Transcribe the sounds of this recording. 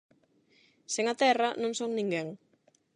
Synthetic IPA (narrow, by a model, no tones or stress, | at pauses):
sɛŋat̪ɛranɔŋsɔŋniŋɡɛŋ